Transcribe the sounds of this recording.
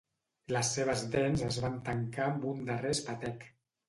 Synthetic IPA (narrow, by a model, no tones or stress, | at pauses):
ləsːeβ̞əzdɛnzəzβant̪əŋkambund̪ərespət̪ɛk